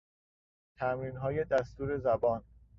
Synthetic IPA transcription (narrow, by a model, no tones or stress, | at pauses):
t̪ʰæmɾiːnɦɒːjed̪æst̪uːɾe̞zæbɒːn